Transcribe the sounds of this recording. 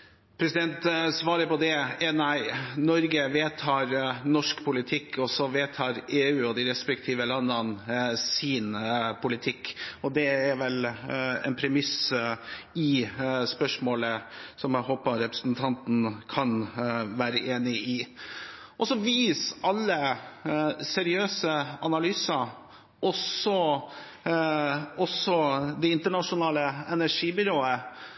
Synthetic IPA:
pʰɾɛsɪd̪ɛnt̪sʋɑːɾəpɔd̪ɛɛnæɪnɔɾɡəʋeːt̪ʰɑːɾnɔʂkpʰʊlɪt̪ʰɪkʰːɔsɔʋeːt̪ʰɑːɾeːʉːɔd̪ɪɾɛspɛkt̪ʰiːʋəlɑnːənsiːnpʊlɪt̪ʰɪkːɔd̪ɛɛɾʋɛlɛ̰npʰɾɛmɪs | ɪspœʂmoːləsɔmæɦoːpɑɾɛpɾəsnt̪ʰɑnt̪n̩kʰɑnʋæːɾəʔeːnɪɪ | ʔɔsɔʋiːsɑlːə | sɛɾɪøːsəɑnɑlyːsɑ | ʔɔsɔ | ɔsɔd̪ɛɪnt̪əɳɑʂʊnɑːləɛnæʂiːbʏɾoːə

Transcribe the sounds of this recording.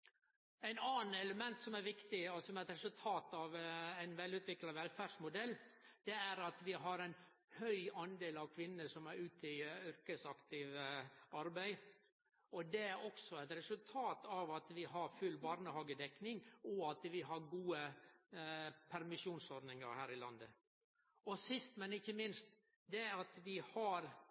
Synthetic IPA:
æɪnɑːnɛləmɛnt̪sɔmæɾʋɪkt̪ɪɔsɔmæɾɛt̪ɾɛsʉlt̪ʰɑːt̪ɑʋæɪnʋɛlːʉːt̪ʰʋɪklɑʋɛlfæːɖ̥ʂmʊd̪ɛlːd̪̥ɛæɾɑt̪ʋɪɦɑɾɛɪn | hœʏʔɑnd̪eːlɑʋkʰʋɪnːəʂɔmæɾʉːt̪ɪʏɾkəsɑkt̪ɪʋɑɾbæɪ | ɔd̪ɛæɾɔksɔɛɪt̪ɾɛsʉlt̪ʰɑːt̪ɑʋɑt̪ʋɪɦɑɾfʉlːbɑːɾnəhɑːɡəd̪ɛknɪŋɔɑt̪ʋɪɦɑɾɡuːə | pʰæɾmɪʂuːnsɔɾnɪŋɑ̰ɾhæːɾɪlɑ̰nd̪ə | ɔsɪst̪mɛnɪçːəmɪnst̪ | d̪ɛɑt̪ʋɪhɑɾ

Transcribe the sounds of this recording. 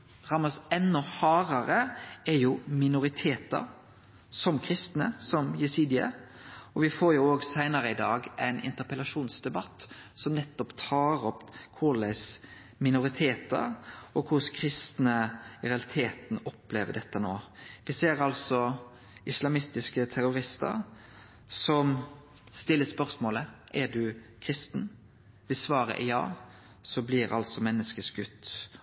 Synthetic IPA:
ʁɑmɑsɛnːɔhɑːɾɑɾəɛɾjʊmɪnʊɾɪt̪ʰeːt̪ə̰ɾ | sɔmkʰɾɪst̪nə̰sɔmjɛsiːd̪ɪɑ̰ɔʋɪfoːɾjʊoːɡsæɪnəɾəɪd̪ɑːɡʔæ̰ɪnɪ̰nt̪əpəlɑʂuːnsd̪ɛbɑt̪ː | sɔmnɛt̪ːɔpt̪ʰɑːɾɔpkʰʊlæɪs | mɪnʊʁɪt̪ʰeːt̪ə̰ɾɔkʰʊskʰɾɪst̪nəɾɛɑlɪt̪ʰeːt̪nɔpleːʋəɖ̪ɛt̪ːənoːʋɪseːɾɑlsɔ | ɪslɑmɪst̪ɪskət̪ʰɛɾʊɾɪst̪ə̰ɾ | sɔm | st̪ɪlːəspœɾsmoːləʔɛɖʉkʰɾɪst̪n | ʋɪlsʋɑːɾə̰ʔjɑ̰ː | sɔblɪɾɑ̰lsɔmɛnːəskəsɡʉt̪ː

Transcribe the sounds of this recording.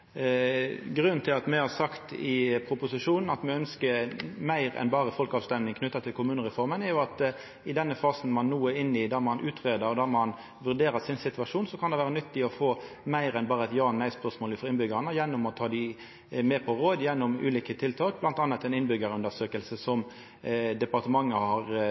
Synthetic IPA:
ɡɾʉnnt̪ʰɪlɑt̪mɛhɑsɑkt̪ɪpʰɾʊpʊsɪʂuːnn̩ɑt̪mɛœnskəmæɪɾɛ̰nbɑːʁəfɔlkɑːʋst̪ɛmnɪŋkʰnʉt̪ːɑt̪ʰɪlkʊmʉːnəɾɛfɔɾmənɛɾjʊɑt̪ | ɪd̪ɛnːəfɑːsn̩mɑnːuːəɪnːɪd̪ɑɾmɑnʔʉːt̪ʁeːd̪əɾɔd̪ɑɾmɑn | ʋʉɾd̪eːɾəsɪnsɪt̪ʉʋɑʂuːnsɔkʰɑnd̪ɛʋæːʁənʏt̪ːɪɔfoː | mæɪɾɛnbɑːɾəɛt̪jɑːnːæɪspœʁʂmoːləfɔɾɪnbʏɡəənəjɛnːʊmɔt̪ʰɑːd̪ɪ | mɛːpʰɔɾoːd̪jɛnːʊmʉ̰ːliːkət̪ʰɪlt̪ʰɑːk̚blɑnt̪ɑnːət̪ːɛnɪnbʏɡəɾʉnd̪əsøːkəlsəsɔm | d̪ɛpɑʁt̪əmɑŋːəhɑɾ

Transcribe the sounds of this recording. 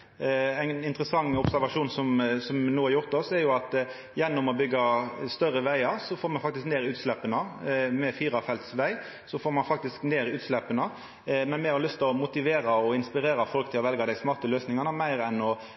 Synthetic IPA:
æɪnɪnt̪ɾəsɑŋːɔpsæɾʋɑʂuːnsɔmsɔmnuːɑɾjʊɾt̪ɔsɛɾjʊɑt̪ | jɛnːɔmɔbʏɡːɑst̪œɾəʋæɪɑɾsɔfoːɾmɑnfɑk̚t̪ɪskneːɾɪʉːt̪slɛpːənəmɛfiːɾɑfɛlt̪sʋæɪ | sɔfoːɾmɑnfɑk̚t̪ɪskneːɾɪʉːt̪slɛpːənə | mɛnmɛɔlʏst̪əɔmʊt̪ɪʋeːɾɑɔɪnspɪɾeːɾɑfɔlkt̪ʰɪlɔʋɛlɡɑd̪æɪsmɑːʁt̪əløːsnɪŋɑnəmæɪɾɛnɔ

